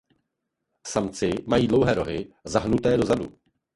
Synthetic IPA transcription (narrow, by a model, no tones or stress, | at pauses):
samt͡sɪmajiːdlo̞wɦɛːɾo̞ɦɪzaɦnut̪ɛːdo̞zadṵ